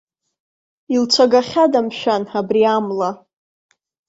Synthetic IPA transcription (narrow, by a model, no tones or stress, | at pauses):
ilt͡sʷʰaɡaχʲadamʃᶣanabriamla